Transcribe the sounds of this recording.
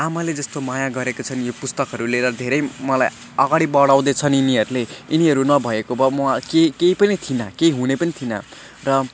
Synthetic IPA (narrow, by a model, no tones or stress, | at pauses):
amʌled͡zʌst̪omajaɡʌɾekot͡sʰʌnjopust̪ʌkɦʌɾuleɾʌd̪ʱeɾʌjmʌlaj | ʌɡaɽibʌɽaw̃d̪ʌt͡sʰʌniniɦʌɾuleiniɦʌɾunʌbʱʌekobʌmʌakekeipʌnit̪ʰinʌkeiɦunepʌnit̪ʰinʌ̰ | rʌ